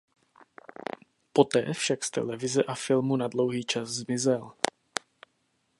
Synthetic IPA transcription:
po̞t̪ɛ̰ːfʃakst̪ɛ̰lɛvɪzɛʔafɪlmunadlo̞wɦiːt͡ʃaszmɪzɛl

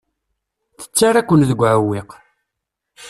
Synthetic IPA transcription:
θə̥t͡sːaɾækʷːənðəɡʷːʕəwːiq

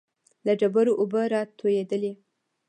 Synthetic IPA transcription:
laɖabaɾoʔobəɾɑt̪ʰojed̪əle

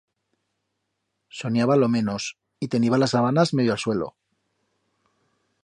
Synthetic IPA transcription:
so̞njaβalo̞mẽ̞no̞s | it̪e̞niβalasaβanazme̞ðjoalswe̞lo̞̰

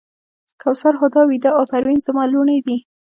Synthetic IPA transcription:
kʰawsaɾxʊd̪ɑwid̪aʔapaɾwinzamɑluɳəjd̪i

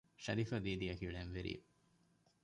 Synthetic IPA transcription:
ʃɐɾifɐd̪iːd̪iɐkiɽenʋeɾḭː

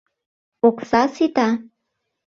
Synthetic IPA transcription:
oksasɪt̪a

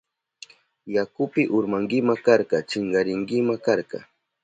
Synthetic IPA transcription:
jakʊpɪʔʊɾmaŋɡɪmakaɾqɑt͡ʃɪɴɢɑɾɪŋɡɪmakaɾkɑ̰

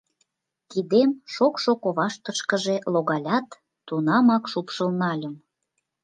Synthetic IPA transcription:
k̪id̪emʃokʃokoβɑʃt̪əʃkə̆ʒeloɣɑlʲɑt̪ː | unɑmɑkʃupʃəlnɑlʲə̆m

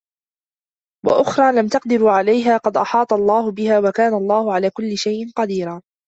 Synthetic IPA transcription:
wa̰ʔʊxɾˤɑːlamt̪ɑqd̪ɪɾuːʕalajɦaːqɑd̪ʔɑ̰ħɑːt̪ˤɑlˤːɑːhʊbɪhaːwakaːnalˤːɑːhʊʕalaːkʊlːɪʃajʔɪnqɑd̪iːɾaː

